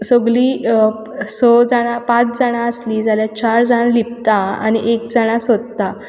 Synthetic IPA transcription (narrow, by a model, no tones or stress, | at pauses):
səɡliː | sɔd͡zaɽ̃ãpat͡sd͡zaɽ̃ãəsliːd͡zaljat͡ɕaɾd͡zaɽ̃alip̚t̪aa̰ñiʔekd͡zaɽ̃asəd̪t̪ːa